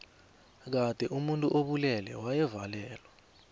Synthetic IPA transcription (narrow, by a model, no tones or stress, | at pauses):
k̬ad̥ʼʱɛʔumuntʼuʔoɓulɛlɛ̰wajɛvalɛːlwa